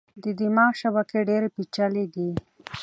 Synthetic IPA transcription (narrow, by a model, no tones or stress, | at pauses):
d̪əd̪imɑʃaβakeɖeɾepit͡ʃaled̪i